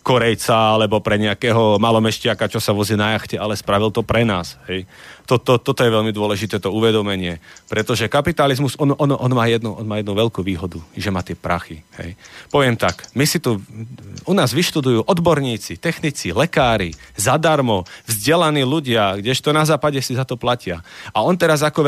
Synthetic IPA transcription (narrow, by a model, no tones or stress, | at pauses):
kɔɾɛjt͡saalɛbɔpɾɛɲɛakɛːɦɔmalɔmɛʃcɪakat͡ʃɔsaʋɔzinajaxcɛʔalɛspɾaʋilt̪ɔpɾɛnaːsɦɛjt̪ɔt̪ɔt̪ɔt̪ɔjɛʋɛʎmid̪ʊɔlɛʒit̪ɛːt̪ɔuʋɛd̪ɔmɛɲɪɛpɾɛt̪ɔʒɛkapit̪alizmuzɔnɔʔɔnɔʔɔnmaːjɛd̪nuʔɔnmaːjɛd̪nuʋɛʎkuːʋiːɦɔd̪uʒɛmaːt̪ɪɛpɾaxihɛ̰jpɔʋɪɛmt̪akmisit̪u | unaːzʋiʃt̪ud̪ujuːʔɔd̪bɔɾɲiːt͡sit̪ɛxnit͡silɛkaːɾizad̪aɾmɔvzɟɛlaniːluɟɪaɡɟɛʃt̪ɔnazaːpaɟɛsizat̪ɔplacɪaaɔnt̪ɛɾazakɔ